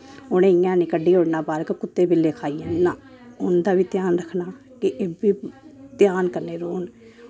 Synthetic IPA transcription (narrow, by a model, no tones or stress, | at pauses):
ʊɽẽːɪjãːnɪkəɖiːɦoːɽnaːbaːɾkkʊt̪ːeːbɪlːeːkʰaːiːəaː | ʊnd̪aːʋiːt̪jaːnɾəkʰnaː | kɪʔeːbiːt̪jaːnkəɾneːɾoːn